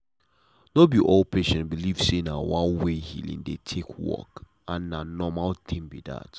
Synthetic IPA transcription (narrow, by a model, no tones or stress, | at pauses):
nobiʔol̚pʰeʃɛ̃ntbiliv̥senawãnwehḭlḭ̃ŋdetʰekʰwɔ̰k | ãnːanɔmalt̪ʰɪ̃ŋbida̰t